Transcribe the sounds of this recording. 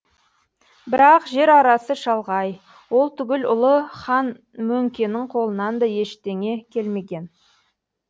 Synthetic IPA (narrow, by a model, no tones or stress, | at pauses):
bɪɾɑqʒe̞ɾɑɾɑsəʃɑlˠʁɑj | wo̞lˠt̪ʰʏɡʲɪlʊlˠəχɑn | mɵŋkʲe̞nɪɴqʰo̞lˠənɑnd̪ɑje̞ʃt̪e̞ŋe̞kʲʰe̞lme̞ɡʲe̞n